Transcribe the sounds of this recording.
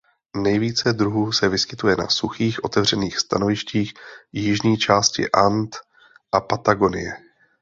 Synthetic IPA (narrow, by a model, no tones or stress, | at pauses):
nɛjviːt͡sɛd̪ɾuɦuːsɛvɪskɪt̪ujɛna̰suxiːxʔo̞t̪ɛvr̝ɛniːxst̪a̰novɪʃciːxjɪʒɲiːt͡ʃaːscɪ̰ʔant̪ | ʔapat̪aɡo̞nɪ̰jɛ